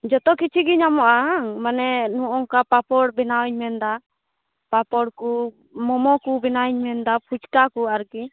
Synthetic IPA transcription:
d͡ʒɔt̪ɔkit͡ʃʰiɡiɲamɔʔaŋmanɛnuʔɔŋkapapɔɽbɛnawɲmɛnd̪a | papɔɽku | mɔmɔkubɛnawɲmɛnd̪apʰut͡ʃkakuaɾki

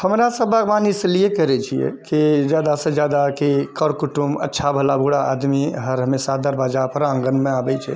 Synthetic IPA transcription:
həmɾasə̃baɡbanisəlijekəɾɛt͡ʃʰijḛkid͡ʒjad̪asə̃d͡ʒjad̪akikəɾkuʈumə̰tːʃʰabʱəlabʱuɽaʔa̰d̪miɦəɾɦəmesad̪əɾbad͡ʒapəɾə̃ŋɡənmẽabɛt͡ʃʰɛ̰

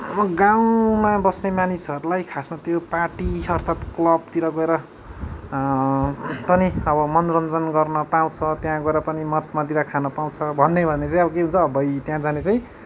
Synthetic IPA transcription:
mʌɡaw̃mabʌsnemanisɦʌɾulajkʰasmat̪jopaʈiʌrt̪ʰat̪klʌb̚t̪iɾʌɡʌeɾʌ | pʌniʌbʌmʌnrʌnd͡zʌnɡʌrnʌpaw̃t͡sʰʌt̪jãɡʌeɾʌpʌnimʌt̪̚mat̪iɾakʰanʌpaw̃t͡sʰʌbʱʌnːebʱʌnːet͡sãĩʌbʌkeɦũnt͡sʰʌːbʌjt̪jãd͡zanet͡saĩ

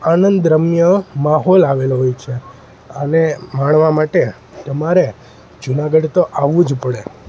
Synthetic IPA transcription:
anənd̪ɾəmjəmaɦolaʋelɦojt͡ʃʰe | ənemaɳ̃ʋamaʈe | t̪əmaɾe | d͡ʒunaɡəɖt̪oʔaʋũd͡ʒpəɽe

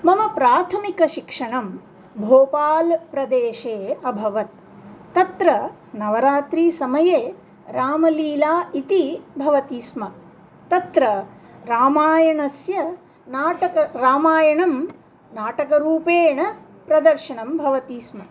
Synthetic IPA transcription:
mɐmɐpɾaːt̪ʰɐmikɐʃikʂɐɳɐm | bʱoːpaːlpɾɐd̪eːʃeːɐbʱɐʋɐt̪ː | ɐt̪ɾɐ | nɐʋɐɾaːt̪ɾiːsɐmɐjeː | ɾaːmɐliːlaːit̪ibʱɐʋɐt̪iːsmɐ | t̪ɐt̪ɾɐɾaːmaːjɐɳɐsjɐ | naːʈɐkɐɾaːmaːjɐɳɐm | naːʈɐkɐɾuːpeːɳɐ | pɾɐd̪ɐɾʃɐɳɐmbʱɐʋɐt̪iːsmɐ

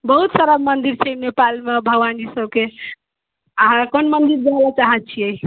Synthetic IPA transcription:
bəɦut̪səɾəbmənd̪iɾt͡ʃʰɛnepalmebʱəwand͡ʒisəbke | əɦãkonmənd̪iɾd͡ʒabat͡ʃaɦət̚t͡ʃʰiɛ

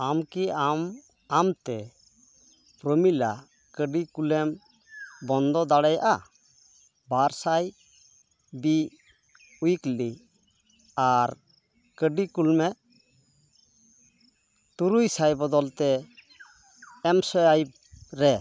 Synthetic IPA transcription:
amkiam | amt̪ɛ | pɾəmila | kəɖikulɛm | bɔnd̪ɔd̪aɽɛjaʔa | baɾsaj | bi | ujkli | aɾ | kəɖikulmɛ | t̪uɾujsajbɔd̪ɔlt̪ɛ | ɛmsɔjaj | ɾɛ

